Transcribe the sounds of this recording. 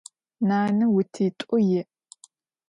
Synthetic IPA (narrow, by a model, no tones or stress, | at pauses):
naːnɨwʊtʰiːtʷʼʊjɪ